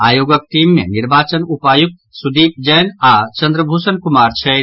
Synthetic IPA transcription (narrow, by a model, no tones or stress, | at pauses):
aːjoɡək̚ʈ̪iːmːḛniɾbaːt͡ʃənupaːjuk̪̚sud̪iːp̚d͡ʒəjnat͡ʃə̃nd̪ɾəbʱusənkumaːɾt͡ʃʰɛ